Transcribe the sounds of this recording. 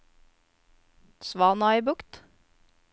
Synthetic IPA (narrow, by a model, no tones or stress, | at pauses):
sʋɑːnɑibʊkt̪